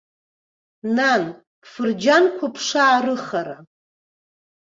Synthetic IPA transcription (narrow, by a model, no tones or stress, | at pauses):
nan | pʰfɨrd͡ʒankʷʰapʰʂaːɾɨχaɾa